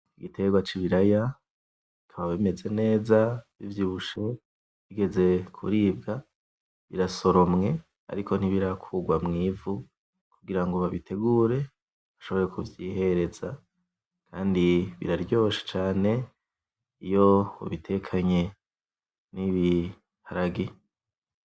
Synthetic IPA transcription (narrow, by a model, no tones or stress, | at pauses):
iɡitʰe̞ɡwat͡ʃiβiɾaja | ikʰaβaβeme̞ze̞ne̞ːzaβivjiβuʃe̞ | βiɡe̞ze̞kʰṵɾiːbɡa | βḭɾaso̞ɾo̞mŋe̞ | a̰ɾikʰo̞n̥iβiɾakʰuɡwamŋiːvu | kuɡiɾaŋɡoβaβitʰe̞ɡuːɾe̞ | βaʃo̞βo̞ɾe̞kuvjiɦe̞ɾe̞za | kʰaːndiβḭɾaɾɟo̞ːʃe̥t͡ʃaːne̞ | ijo̞o̰βitʰe̞kʰaɲe̞ | niβi | haɾaɡi